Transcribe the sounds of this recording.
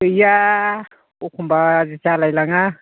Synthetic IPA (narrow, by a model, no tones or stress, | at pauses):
ɯja | ukʰumbaːzit͡ʃalajlaŋa